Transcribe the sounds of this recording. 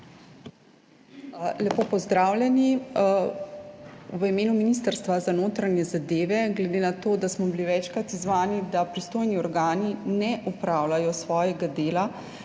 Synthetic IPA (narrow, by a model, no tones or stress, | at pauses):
lɛpoːpɔzd̪ɾaːwlʲjɛni | ʋəimeːnuminiːst̪əɾst̪ʋazanoːt̪ɾanjɛzad̪eːʋɛɡlɛd̪enat̪oːd̪asmɔbiliʋɛt͡ʃkɾat̪izʋaːnid̪apɾist̪oːjniɔɾɡaːninɛʔupɾawlajɔsʋɔːjɛɡad̪eːla